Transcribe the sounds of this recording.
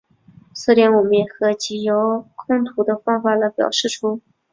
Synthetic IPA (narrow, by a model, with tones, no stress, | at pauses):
sɹ̩˥˩ɾjɛ˧˥nwɔ˨˩mə˥jɛ˨˩xɤ˧˥t͡ɕi˧˥jo˧˥ʊkʰʊ˥˧ŋt̪ʰu˧˥d̪ə˧fɑ˥ŋfa˨˩lə˧˩pjɑ̰˨˩ʊʂɻ̩˥˩ʈ͡ʂʰu˥